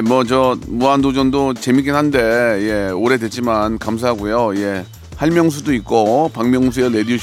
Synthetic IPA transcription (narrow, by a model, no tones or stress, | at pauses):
mwʌt͡ɕʌmuɦandod͡ʑʌndot͡ɕe̞mik͈enɦande̞je̞oɾe̞dwe̞t͡ɕ͈imankams̬ʰaɦaɡojoije̞ | haɭmjʌŋs̬ʰudoik̚k͈opaŋmjʌŋsʰuele̞dioɕ